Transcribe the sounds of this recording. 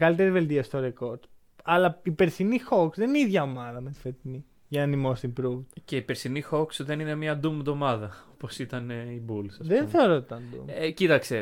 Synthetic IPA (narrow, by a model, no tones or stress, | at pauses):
ɣɐlit̪e̞ɾive̞lt̪iɐst̪o̞ɾeko̞ɾd̪ | ɐlɐipe̞ɾsinixo̞ksðeniniðʝɐomɐðɐmet̪fet̪ini | ʝɐnɐnimo̞st̪imbɾuvt̪ce̞ipeɾsinixoksðe̞ninemɲɐd̪umðo̞mɐðɐoposit̪ɐneibulsɐsðenθe̞o̞ɾot̪it̪ɐnd̪ṵmcit̪ɐkse